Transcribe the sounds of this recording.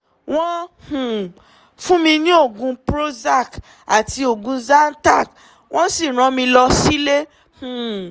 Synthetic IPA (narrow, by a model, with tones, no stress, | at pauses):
w̃ɔ̃˦hũ˨ | fũ˦mĩ˧nĩ˦o˦˨ɡũ˧pɾo˦za˦˨k | a˨ti˧o˨ɡũ˨˧za˦n̩˦ta˦˨k | w̃ʔɔ̃˦si˦˨ɾ̃ɔ̃˨˦mĩ˧lɔ˧si˦le˦ | hũ˨